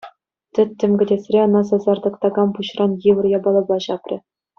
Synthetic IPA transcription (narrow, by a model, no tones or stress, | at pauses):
tʲɘ̆tʲːɘ̆mʲɡʲɘ̆dʲesʲrʲeɤ̆nɑsɑzɑrd̪ɤ̆kt̪ɑɡɑmpuɕrɑnjiʋɤ̆rjɑbɑlˠɤ̆blˠɑɕɑprʲɘ̆